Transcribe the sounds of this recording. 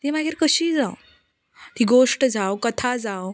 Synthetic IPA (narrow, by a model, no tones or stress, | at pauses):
t̪imaɡeɾkəɕiːd͡zaw | t̪iɡoʂʈd͡zawkət̪ʰad͡zaw